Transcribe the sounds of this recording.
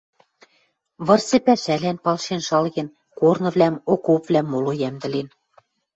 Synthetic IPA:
βɤ̆rsĕpæʃælænpɑlʃenʃɑlɣĕn | kornɤ̆βlʲæmokopvlʲæmːolojæmd̪ɘ̆len

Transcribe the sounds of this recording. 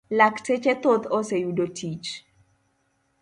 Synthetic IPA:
laktʰet͡ʃɛt̪ot̪osejudotʰit͡ʃ

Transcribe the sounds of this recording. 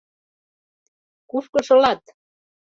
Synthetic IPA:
kufkɤ̆ʃolɑt̪

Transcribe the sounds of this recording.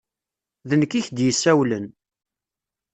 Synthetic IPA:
ðənkːiçd̪jəsːæwlən

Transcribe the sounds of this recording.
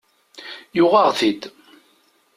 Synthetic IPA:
jʊʁaʁθid̪

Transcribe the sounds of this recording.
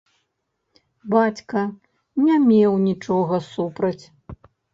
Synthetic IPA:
bat͡sʲkɐ | nʲamʲɛwnʲit͡ʂɔɣɐsupɾɐt͡sʲ

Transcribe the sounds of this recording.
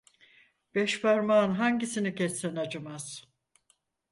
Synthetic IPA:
b̥ɛʃpaɾmaːnɦaɲɟisinicɛsːɛnad͡ʒɯmaz̥

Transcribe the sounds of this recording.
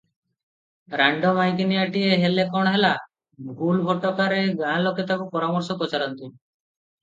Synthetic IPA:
ɾaɳɖɔmajkiniaʈieɦelekɔɽ̃ɦela | ɡʱulbʱɔʈɔkaɾeɡãloket̪akupɔɾamɔɾsɔpɾɔt͡ʃaɾɔnt̪u

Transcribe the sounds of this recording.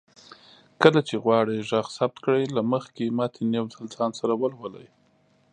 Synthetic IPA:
kəlat͡ʃeɣwɑɽəjʒaɣsab̚t̪kɽəjlaməxkemɑt̪ʰenjewzalzɑnsaɾawəlwələ̰j

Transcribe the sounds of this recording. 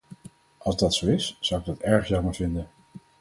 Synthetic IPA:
ʔɑlˠzdɑtsowɪsz̥ʌwɪɡ̚dɑtɛɹχjɑməɹvɪndən

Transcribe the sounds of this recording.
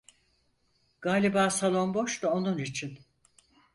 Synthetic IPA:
ɡ̥aːlʲibaːsalˠo̞nbo̞ʃt̪ao̞nunit͡ʃʰin

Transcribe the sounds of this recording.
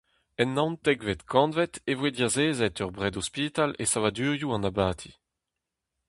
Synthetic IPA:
ɛnːãnt̪ɛɡvet̪kʰɑ̃nvɛt̪evwediazeːzɛt̪œʁbʁɛdɔspit̪alḛsavad̪yːʁjuɑ̃nabaːt̪ʰi̥

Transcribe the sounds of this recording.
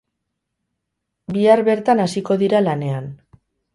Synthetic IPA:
biaɾβe̞ɾt̪anasiko̞ðiɾalane̞an

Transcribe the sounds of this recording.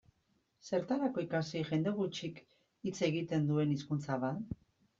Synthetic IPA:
se̞ɾt̪aɾako̞ikasiʝe̞nd̪e̞ɣut͡ʃik | it͡se̞ɣit̪e̞nd̪ue̞niskunt͡saβat̪

